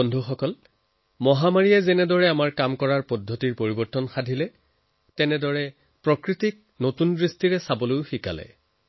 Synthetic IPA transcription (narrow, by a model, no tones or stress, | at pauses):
ɔndʱuxɔkɔl | mɔɦamaɹiɛzɛnɛdɔɹɛamaɹkamkɔɹaɹpɔdʱːotiɹpoɹibɔɹtɔnxadʱilɛ | tɛnɛdɔɹɛ | pɹɔkɹitik̚notundɹistiɹɛsabɔlojxika̰lɛ̰